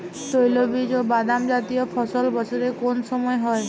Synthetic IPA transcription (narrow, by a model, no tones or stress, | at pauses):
t̪ojlobid͡ʒobad̪amd͡ʒat̪ijɔpʰɔsɔlbɔsʰɔɾekonsɔmɔjɔɦɔej